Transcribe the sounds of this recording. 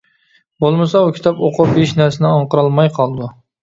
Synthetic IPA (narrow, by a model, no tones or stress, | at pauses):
bolˠmɨsɑukʲʰi̥t̪ʰɑpoqʊbeʃnæɾsɪnɪɑɴqəɾɑlˠmɑjqʰɑlˠd̪u